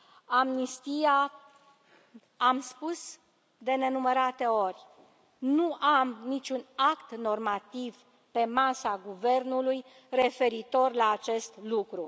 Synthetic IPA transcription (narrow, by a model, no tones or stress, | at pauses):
amnist̪ija | amspus | d̪e̞ne̞numəɾat̪e̞o̞rʲ | nuʔamnit͡ʃunakt̪no̞rmat̪iv | pe̞masaɡuve̞rnuluj | re̞fe̞ɾit̪o̞rlaːt͡ʃe̞st̪lukɾu